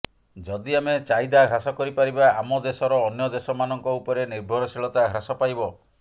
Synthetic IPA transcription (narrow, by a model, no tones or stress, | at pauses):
d͡ʒɔd̪iamet͡ʃajd̪aɡʱɾasɔkɔɾipaɾibaamɔd̪esɔɾɔːnjɔd̪esɔmanɔŋkɔupɔɾeniɾbʱɔɾɔsiɭɔt̪aɡʱɾasɔpajbɔ